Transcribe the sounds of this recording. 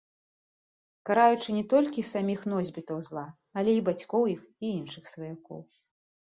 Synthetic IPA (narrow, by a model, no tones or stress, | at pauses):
kaɾajut͡ʂɨnʲɛt̪ɔlʲkʲisamʲixn̪ɔzʲbʲit̪ɐwzlˠa | ɐlʲɛibat͡sʲkɔwjixiinʂɨxsvɐjakɔ̰w